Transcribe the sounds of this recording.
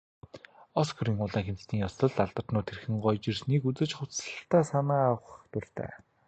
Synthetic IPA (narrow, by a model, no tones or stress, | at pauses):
ɔskɵɾiːŋʊɮaːŋxemt͡st̪ʰiːŋjɔst̪ʰɞ̆ɮt̪aɮt̪ə̆r̥t̪nʊːt̪ʰːerxɘ̆ŋɢɔjt͡ɕirsniːkut͡sɘ̆t͡ɕχʊt͡sə̆ɬt̪æːsanaːwə̆χt̪ur̥ʲt̪æ̰ː